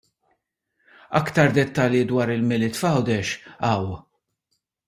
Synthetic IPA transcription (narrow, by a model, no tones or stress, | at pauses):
ɐ̰kt̪ɐɾd̪ɛt̪ːɐljid̪wɐːɾɪlmɪlɪt̪fɐwd̪ɛʃɐw